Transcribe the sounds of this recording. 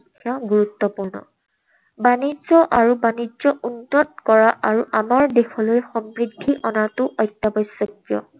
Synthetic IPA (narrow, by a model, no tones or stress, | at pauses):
kʰːjaɡuɹutːɔpuɹnɔ̰ | banizɔʔaɹubanizɔunːɔtkɔɹaʔaɹuʔamaɹdexʰɔlojxɔmɹidʱːiʔɔnatʊʔɔjtːabɔjsːɔkjɔ̰